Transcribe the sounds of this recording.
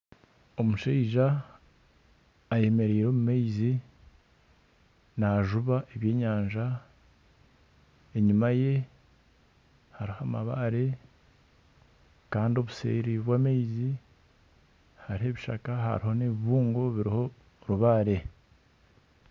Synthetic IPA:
o̞muʃeiʒa | je̞me̞ɾiːɾo̞ːmumeizi | naʒuβaʔeβje̞ːɲaːnʒa | eɲimaje̞ | haɾihama̰βaɾe̞ | kaːndio̞βuse̞̰ːɾiβwaːmeizi | haɾihe̞βiʃa̰kaha̰ɾiho̞neβiβuːŋɡo̞βiɾiho̞ | ɾuβaːɾe̞

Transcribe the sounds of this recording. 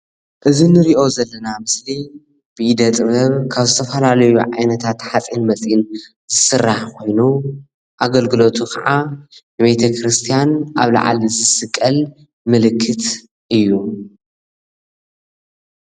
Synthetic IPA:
ʔɨzinɨɾiʔo̞zɐlːɐnamɨsli | b̥ɨid̪ɐt̪ʼɨβɐβkʰaβzɨt̪ʰɐfɐlalɐjuʕa̰jnɐt̪ʰat̪ħat͡sʼinmɐt͡sʼjin | z̥ɨsɨrːaħkʰo̞jnu | ʔaɡɐlɡɨlo̞t̪ʰukʰɐʕanɨβet̪ʰɐkɾɨst̪ʰijanʔa̰βla̰ʕa̰lizɨsɨkʼːɐl | mɨlɨkʰːɨt̪ | ʔɨjːu

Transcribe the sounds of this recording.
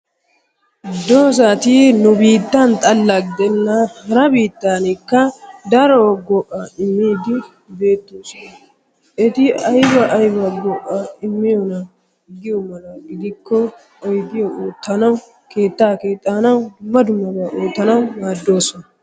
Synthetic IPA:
d̪oːs̬at̪inʊbiːt̪ːɐnt̪ʼɐlːɐɡɪd̪ɛnːɐhɐɾɐbiːt̪ːaːnɪkːɐd̪ɐɾoɡɔʔɐɪmːiːd̪ɪ | be̞ːt̪ːoːsɔnɐ | ʔɛt̪ɪɐjbɐʔɐjbɐɡɔʔɐɪmːɪjɔnɐ | ɡɪjɔmɐnɐɡɪd̪ɪkʰːɔ | ɔjɡɪjɔoːt̪ːɐnɐw | ke̞ːt̪ːaːkeːt̪ʼːaːnɐwd̪ʊmːɐd̪ʊmːɐbɐʔoːt̪ːɐnɐwmaːd̪ːo̞ːsɔnɐ

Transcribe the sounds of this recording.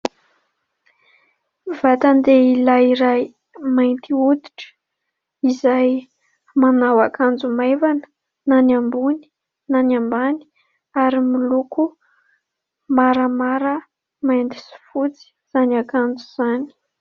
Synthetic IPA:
vat̪and̪eilaiɾaj | majnt̪iud̪iʈ͡ʂə̥ | izaj | manawakand͡zumajvanə̥ | nanambuni̥ | nanambani̥ | aɾimiluku | maɾəmaɾə | majnd̪isi̥fut͡si̥z̥anakand͡zuz̥ani̥

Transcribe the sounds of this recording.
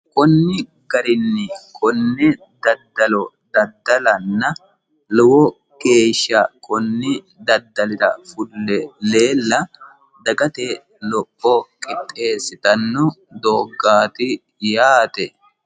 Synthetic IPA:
kʼɔnːɪ | ɡɐɾɪnːɪkʼʰɔnːɛ | d̪ɐd̪ːɐlɔ | d̪ɐd̪ːɐlɐnːɐ | lɔwɔ | ke̞ːʃːɐkʼɔnːɪ | d̪ɐd̪ːɐlɪɾɐ̰fʊlːɛle̞ːlːɐ | d̪ɐɡɐt̪e | lɔʔːɔkʼɪt̪ʼːe̞ːsɪt̪ɐnːɔ | d̪oːɡːaːt̪ɪ | jaːt̪ɛ

